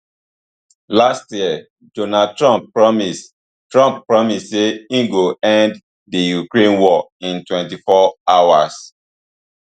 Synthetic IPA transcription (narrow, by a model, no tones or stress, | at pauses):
lastjiɛ | donad̚tɹɔ̃mppɹɔmis | tɹɔ̃mpːpɹɔmisseĩɡoɛ̃nd | dijukɹẽnwɔĩntwɛ̃ntifɔawa̰s